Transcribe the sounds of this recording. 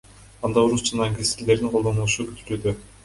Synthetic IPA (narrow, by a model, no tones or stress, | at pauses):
ɑnd̪ɑoɾusd͡ʒɑnɑːŋkʲest̪ɾle̞ɾd̪iŋqʰo̞ld̪o̞nulˠuʃukyt̪ʰyɾyd̪ø